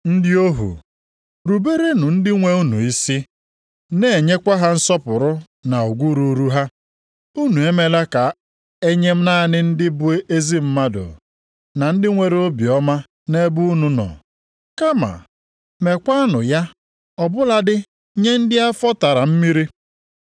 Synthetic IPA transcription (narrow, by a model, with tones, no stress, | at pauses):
n̩˦dɪ˦o˦ɦṵ˨ | ɾu˨be˦ɾe˦nʊ˨n̩˦dɪ˦ŋʷe˦u˦nṵ˨i˦si˦ | ne˦˨e˨ɲe˦kʷa˦ɦa˦n̩˦sɔ˦pʊ˨ɾʊ˦ | na˨o˨ɡʷu˦ɾu˨˦ɾu˦ɦa˦ | u˦nu˨e˦me˦la˦ka˨ | e˦ɲe˦m̩˦na˦˨nɪ˦n̩˦dɪ˦bʊ˦e˦ʔe˦zi˦m̩˦ma˦dʊ̰˨ | na˨n̩˦dɪ˦ŋʷe˦ɾe˦o˦bi˨ɔ˦ma˦ | ne˦bu˦u˦nu˦nɔ̰˨ | ka˦ma̰˨ | me˨kʷa˦a˦nʊ˨ja˦ | ɔ˨bʊ˦la˦dɪ˦ | ɲe˦n̩˦dɪ˦a˦fɔ˦ta˨ɾa˨m̩˦mi˦ɾi˦